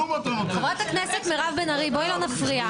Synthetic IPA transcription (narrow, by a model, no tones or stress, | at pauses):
χevʁat̪hakneset̪meʁavbenaʁiboilonafʁia